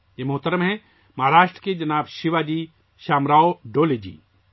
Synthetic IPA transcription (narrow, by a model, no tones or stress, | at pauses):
jemɐɦʊt̪əɾəmɦɛ̃ | mɐɦaːɾaːʃʈɾəked͡ʒɐnaːbʃɪʋad͡ʒiː | ʃaːmɾaːoɖoːled͡ʒḭː